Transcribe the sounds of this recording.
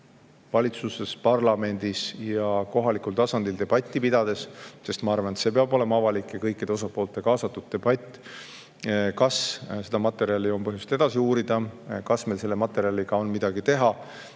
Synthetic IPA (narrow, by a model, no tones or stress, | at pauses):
vɑlʲit̪suse̞spɑrlɑme̞nd̪̥isjɑko̞ɦɑlikult̪ɑsɑnd̪̥ild̪e̞b̥ɑt̪ʲːˑipid̪̥ɑd̪̥e̞sse̞st̪mɑɑrvɑnet̪se̞ːpeɑbo̞le̞mɑɑvɑlikːˑekɤjkːˑid̪eo̞sɑpo̞ːlt̪ːˑe̞kɑːsɑt̪ːˑud̪̥̚t̪ːe̞b̥ɑt̪ʲːˑ | kɑsse̞d̪ɑmɑt̪ːˑe̞ɾiɑlio̞npɤɦjust̪e̞d̪̥ɑsiuːɾid̪̥ɑkɑsme̞lse̞lːe̞mɑt̪ːˑe̞ɾiɑliɡ̥ɑo̞nmid̪̥ɑɡit̪e̞ɦɑ